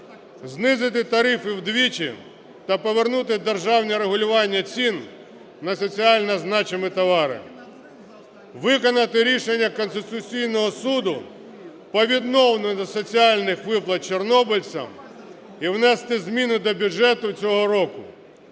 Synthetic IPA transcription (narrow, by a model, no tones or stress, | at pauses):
znɪzɪt̪̬ɪt̪ɐɾɪfɪwd̪ʋʲit͡ʃḭ | t̪ɐpɔʋernut̪ɪd̪erʒɑwnʲiɾeɦʊlʲʊʋɑnʲːɐt͡sʲinː | ɐsɔt͡sʲiɑlʲnɐznɑt͡ʃemɪt̪ɔʋɑɾɪ̰ | ʋɪkɔnɐt̪ɪɾʲiʃenʲːɐkɔnst̪ɪt̪ʊt͡sʲijnɔɦɔsud̪ʊ | pɔʋʲid̪nɔwnɔd̪ɔsɔt͡sʲiɑlʲnɪxʋɪplˠɐt̪̚t͡ʃernɔbɪlʲt͡sʲɐ̰m | iwnɛst̪ɪzmʲinʊd̪ɔbʲuʒɛt̪ʊt͡sʲɔɦɔɾɔkʊ